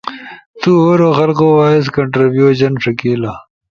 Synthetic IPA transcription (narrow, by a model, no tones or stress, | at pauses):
t̪uːɦoːɾoːxɐlqoːwaːis̬kɐɳʈɾibjuːɕɐnʂɐkiːla